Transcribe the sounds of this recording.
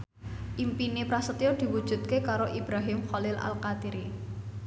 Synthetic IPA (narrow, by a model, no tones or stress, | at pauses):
ʔimpinepɾasət̪jod̪̥i̤wud̥ʒ̥ṳt̪̚kekaɾoʔib̥ɾaɦɪmχɔlɪlʔa̰lkat̪iɾi